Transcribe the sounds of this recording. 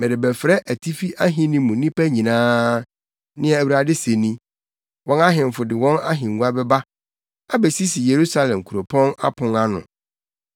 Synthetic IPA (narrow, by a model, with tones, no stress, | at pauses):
mɛ̃˨dɪ˨bɛ˨fɾɛ˦ʔæ˨tʰi˦fi˦ʔa˦ɦɪ̃˦nĩ˦mũ˨nĩ˦pæ˦ɲĩ˨nãː˦ | nɪ̃˦ɛ˦˨æ˨wu˨ɾa˨dɪ˦se˨nĩ˦ | wɔ̃˦na˦ɦɪ̃˨m̩˨fʊ˨dɪ˨wɔ̃˦na˦ɦɪ̃˨ŋ˨u˦a˦bɛ˦ba˦ | a˦bɛ˨si˦si˨je˨ɾu˦sa˦lɛ̃˨mkʰu˨ɾo˨pʰɔ̃˦na̰˦pʰʊ̃˨ŋa˦nʊ̰̃˨